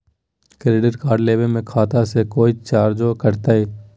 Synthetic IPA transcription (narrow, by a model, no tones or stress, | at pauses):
kɾeːɖəɾkaːɾɖleːbemẽkʰaːt̪asekoːit͡ʃaːɾd͡ʒoːkəɾt̪aːɦeː